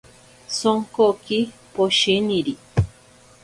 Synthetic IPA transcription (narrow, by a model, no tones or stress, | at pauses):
soŋkokipoʃiniɾi